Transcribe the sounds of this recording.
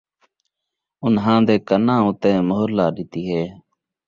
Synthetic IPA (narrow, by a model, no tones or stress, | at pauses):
ʊnɦãːd̪eːkənãːʊt̪ẽːmoɦɾlaːɗɪt̪iːɦeː